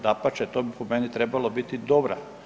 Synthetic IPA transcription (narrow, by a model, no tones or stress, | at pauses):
d̪apat͡ʃet̪oːbipomenit̪ɾebalˠobit̪id̪obɾa